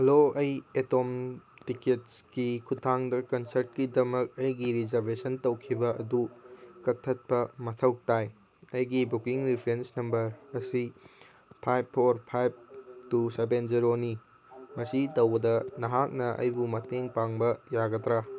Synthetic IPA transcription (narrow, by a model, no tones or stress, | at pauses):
hɐloɐjetomtiketskikʰutʰaŋdɐkɐnsɐɾt̚kidɐmɐk̚ɐjɡiɾizɐɾbesɐntɐwkʰibɐʔɐdukɐtʰːɐt̚pɐmɐtʰɐwk̚taj | ɐjɡibukiŋɾipʰɾensnɐmbɐɾɐsi | pʰajb̚pʰːoɾpʰajb̚tusebenziɾoni | mɐsitɐwbɐdɐnɐɦak̚nɐʔɐ̰jbumɐteŋpaŋbɐjaɡɐtɾa